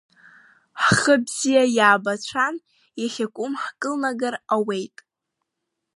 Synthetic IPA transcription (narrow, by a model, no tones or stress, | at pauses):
ħχəbz̥ijajaːbat͡ɕʷʰan | jaχʲakʷʼʊmħkʼɨlnaɡarawejtʼ